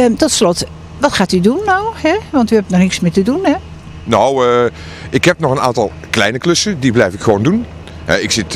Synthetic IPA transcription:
tɔtslɔt | ʋɔtxaːtydunːɔwhɛʋɔntyhɛp̚nɔxnɪksmɪtədunhɛ | now | ɪkɦhɛpnɔxəna̰ːntɔlˠ | klɛjnəkløsədiblɛjfɪkxʋoːndun | hɛ̰ɪksɪt

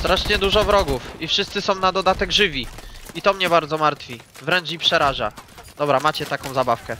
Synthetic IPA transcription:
st̪ɾaʂɲɛd̪uʐɔvɾɔɡufifʂɘst̪sɘsɔ̃w̃nad̪ɔd̪at̪ɛɡʐɘvʲiit̪ɔmɲɛbaɾd̪zɔmaɾt̪fʲi | vɾɛnt͡ʂipʂɛɾaʐa̰d̪̥ɔbɾamat͡ɕɛt̪akɔ̃w̃zabafkɛ

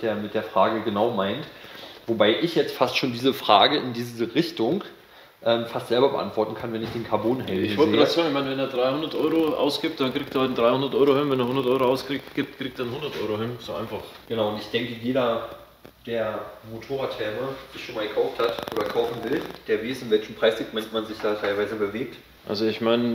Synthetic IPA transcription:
d̥eːɐmɪt̚d̥eːɐfʁ̥aːɡəɡənaʊmaɪntvobaɪʔɪçjɛt͡stfastʃoːndiːzəfʁ̥aːɡəɪndiːzzəʁɪçtʊŋ | ʔɛːmfastz̥ɛlbɐbəʔa̰ntv̥ɔɐtn̩kʰanvɛnɪçd̥eːnkʰaɐboːnɦɛlɪçvɔleːə̥atz̥aːɡŋɪçmaɪnvɛndeːɐdʁaɪhʊndɐtʔɔʏʁoʔa̰ʊsɡ̥ɪːp̚t̚d̥ankʁ̥iːk̚teːɐand̥ʁaɪhʊndɐtʔɔʏʁohɪnvɛndeːɐhʊndɐtʔɔʏʁoʔaʊskʁ̥iːktɡ̥ɪːp̚tkʁ̥iːk̚tdːɐnhʊndɐtʔɔʏʁohɪnz̥oːʔa̰ɪnfaχɡ̥ənaʊʊntɪçd̥ɛŋkəjeːɾɐ | d̥eːɐmotʰoːʁaːthɛɐməz̥ɪçʃoːnmaːlɡəkʰaʊfthatʔoːdɐkʰaʊfn̩vɪld̥eːɐvaɪsɪnvɛlçn̩pʁ̥aɪsliːk̚tmɛntmanzɪçd̥aːtʰaɪlvaɪzəbəveːk̚t | ʔa̰lzoɪçmaɪnə

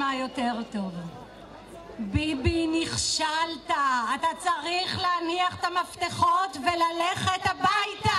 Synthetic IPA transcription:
ajo̞te̞ʁto̞v | bibiniχʃaltaːt̪at͡saʁiχleaniaχet̪amaft̪eχo̞tvelaleχet̪abajta

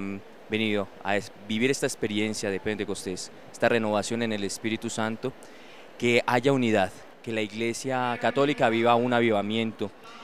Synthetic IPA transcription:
be̞niðoa̰ebiβiɾe̞st̪aespe̞ɾje̞nsjaðeped̪eko̞st̪e̞s | est̪are̞no̞βasjo̞ne̞ne̞le̞spiɾit̪usant̪o | ke̞ʔaʝauniðað | ke̞laiɣle̞sjakat̪o̞likaβiβaunaβiβamjẽ̞nt̪o̞

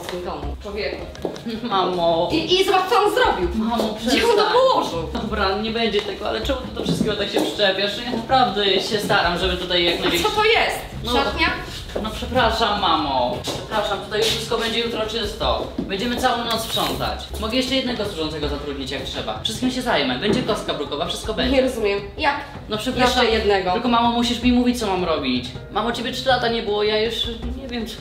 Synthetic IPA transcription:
skʲid̪ɔmut͡ʂwɔvʲjɛku | mamɔiizɔbatsɔɔnzɾɔbʲiwmamɔpʂd͡ʑɛɔ̃t̪ɔpɔwɔʐɨwd̪ɔbɾaɲɛbɛɲd͡ʑɛt̪ɛɡɔa̰lɛʈ͡ʂɛmut̪ɔd̪ɔfʂɨst̪kʲɛɡɔt̪akɕɛpʂɨ̥t͡ʂɛpʲjaʂjaknapɾavd̪ɛɕɛst̪aɾamʐɛbɘt̪ut̪ajːakmɛd͡ʑɛɔt̪ɔjɛst̪nat̪ɲa | nɔpʂɛpɾaʂamːamɔpʂʂɛpɾaʂamt̪ut̪ajuʂfʂɘst̪̚kɔbɛɲd͡ʑɛjut̪ɾɔt͡ʂɘst̪ɔbɛɲd͡ʑɛmɘt̪sawɔ̃w̃nɔt̪sfʂɔnt̪a̰t͡ɕ | mɔɡɛjɛʂt͡ʂɛjɛd̪nɛɡɔswuʐɔnt̪sɛɡɔzat̪ɾud̪ɲit͡ɕjak̚tʂɛba̰fʂɘst̪̚kʲimɕɛzajmat͡ɕbɛɲd͡ʑɛkɔst̪̚kabɾukɔvafʂɘst̪̚kɔbɛɲɲɛɾɔzumjɛmjak | nɔpʂɛpɾaʂajɛd̪nɛɡɔɪlkɔmamɔmuɕiʂmʲimuvʲit͡ɕt̪sɔmamɾɔbʲit͡ɕ | mamɔt͡ɕebʲjɛtʂɘlat̪aɲɛbɘwɔjajuʂɲɛvʲjɛm

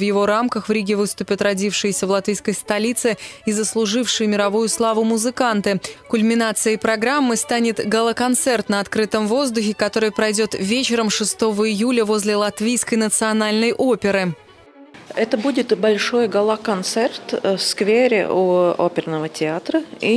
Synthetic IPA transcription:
vjɪvo̞ɾamkəxvɾʲiɡʲɪvɨst̪ʊpʲɪt̪rɐdʲifʂɨjɪsʲəvlˠɐt̪vʲijskəjst̪ɐlʲit̪sɨɪzəslˠʊʐɨfʂɨjɪmʲɪɾɐvujʊslˠavʊmʊzɨkant̪ɨkʊlʲmʲɪnat̪sɨjəpɾɐɡɾamːɨst̪anʲɪt̪ɡəlˠəkɐnt̪sɛrt̪nəɐt̪kɾɨt̪əmvo̞zd̪ʊxʲɪkɐt̪o̞ɾɨjpɾɐjdʲo̞t̪vʲet͡ɕɪɾəmʂɨst̪o̞vəɪjulʲəvo̞zʲlʲɪlˠɐt̪vʲijskəjnət̪sɨɐnalʲnəjʔopʲɪɾɨ | ɛt̪əbudʲɪt̪bɐlʲʂojɡəlˠəkɐnt̪sɛrt̪fskvʲeɾʲɪ̰ʔuopʲɪrnəvətʲɪat̪ɾəi

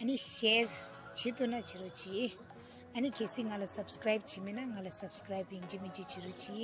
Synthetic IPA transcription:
ɐniʃeːɾ | t͡ʃit̪unɐt͡ʃiɾut͡ʃi | ɐnikesiŋɐlɐsɐbskɾajb̚t͡ʃiminaŋɡɐlɐsɐbskɾajbiɲd͡ʒimiɲt͡ʃit͡ʃiɾut͡ʃi

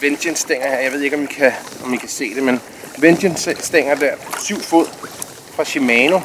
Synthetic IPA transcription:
ʋen̥jənsd̥eŋ̰ɐeɐjäʋe̝ð̰ˠeɡ̥ɒ̽mʋikʰæɒ̽mʋikʰæse̝̰ːd̥e̝men | ʋend̥ənsːd̥eŋ̰ɐd̥æɐ̰syʊ̰fuð̰ˠ | fʁɑ̈ɕimɛːno̝

